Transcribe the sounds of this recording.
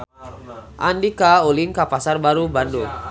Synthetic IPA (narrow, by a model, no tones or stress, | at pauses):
ʔandikauliŋkapasarbaɾubandur